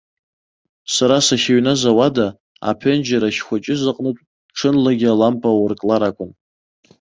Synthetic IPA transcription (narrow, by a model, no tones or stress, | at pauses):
saɾasaχʲaɥnazawada | a̰pʰend͡ʒaɾaʃχʷat͡ʃʼɪzaqʼnɨtʼ | ʈ͡ʂʰɨnlaɡʲalampʼawʊrkʼlaɾakʷʼʊn